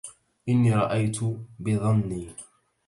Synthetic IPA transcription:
ʔɪnːiːɾˤɑʔajt̪ʰʊbɪðˤɑnːiː

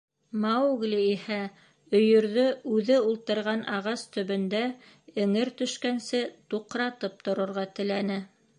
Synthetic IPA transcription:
mɑwɡlʲiihæ | ɵ̆jɵ̆ɾðɵʉðɘulˠt̪ɤ̆ɾʁɑnʔɑʁɑst̪ɵ̆βɵ̆nd̪æ | ɘ̆ŋɘɾt̪ɵ̆ʃkænsɘt̪uqɾɑt̪ɤp̚t̪ŏɾɤ̆ɾʁɑt̪ɘ̆lænɘ

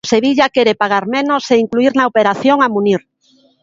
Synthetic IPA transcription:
seβiʎakeɾepaɣ̞aɾmenoseiŋkluiɾnaopeɾaθjoŋamuniɾ

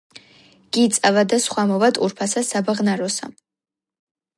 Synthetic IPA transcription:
ɡ̥it̪sʼavad̪asχwamɔvat̪ʼuɾpʰasasabaʁnaɾɔsa̰

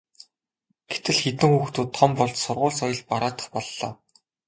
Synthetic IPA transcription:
ɡ̥et̪ɘ̆ɮxet̪ɘ̆ŋxuːxt̪uːt̪ʰːɔmpɔɮt͡ɕsʊrʁʊːɮsɔjɞ̆ɮpaɾaːt̪ə̥̆χpɔɮːɔ̰ː

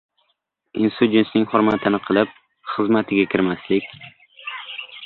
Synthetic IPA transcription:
ɪnst̪ud͡ʒʲent̪nɪŋχoɾmat̪ʰɪnɪqʰɨlˠɪp̚ | χɨzmat̪ʰɪɡʲakʲʰɪɾmaslɪkʲ

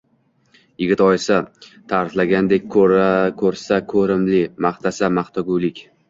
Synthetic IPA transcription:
jɪɡʲɪt̪ɒjɪsat̪ʰaɾɪflaɡʲand̪e̞kʲkʰɵɾsakʰɵɾɪmlɪmaχt̪ʰasamaχt̪ʰaɡʲulɪkʲ

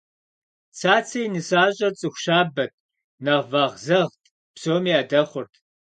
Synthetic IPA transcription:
t͡sʰaːt͡sʰejnɨsaːɕʼɐrt͡sʼɨxʷɕaːbɐt̚ʰ | nɐʁvaːʁzɐʁtʰʼ | psoːmijaːdɐχʷʊrtʰ

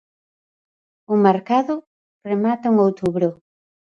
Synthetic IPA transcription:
ʊmeɾkaðʊ | remat̪auŋowt̪uβɾʊ

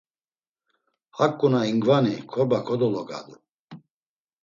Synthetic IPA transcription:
hakʼːunaiŋɡvanikʰɔbakʰɔd̪ɔlɔɡʼa̰d̪u

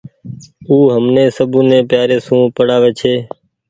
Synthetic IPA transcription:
uːɦəmneːsəbũːnẽːpjaːɾeːsũːpəɽaːʋeːt͡ʃʰeː

